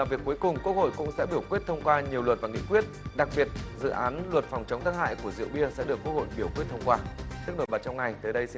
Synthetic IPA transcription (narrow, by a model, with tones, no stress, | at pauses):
laː˨˩mvi˨əkːu˨˦jkʊ˨˩ŋ͡mku˦˥ət̚ho̰˧˨jkʊ̰˧˥ŋ͡msɛ̰˧˥ɓi˧˩əwkwi˦˥ət̚t̪ʰə˧wŋ͡mkwaː˧ɲi˨˩əwlwə˨˩t̚vaː˨˩ŋḭ˧˨kwi˦˥ət̚ɗa˨˩k̚ɓi˨˩ət̚zɨ̰˧˨ʔaː˨˦nlwə˨˩t̚fɔ˨˩wŋ͡mt͡ɕə˨˦wŋ͡mt̪aː˨˦˥ŋha̰ː˧˨jku˧˩əzḭ˧˨əwɓi˧əsɛ̰˧˥ɗɨ˨˩əkːu˦˥k̚ho̰˧˨jɓi˧˩əkwi˦˥ət̚t̪ʰə˧wŋ͡mkwaː˧t̪ɨ˦˥k̚no˧˩ɓaː˨˩t͡ɕɔ˧wŋ͡mŋa˨˩jt̪əː˨˦jɗə˧jsi˧